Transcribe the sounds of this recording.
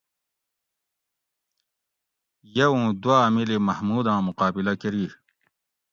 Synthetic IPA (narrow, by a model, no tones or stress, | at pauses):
jɐwũːd̪waːmilimɐhmuːd̪ãːmuqaːbilɐkeɾiː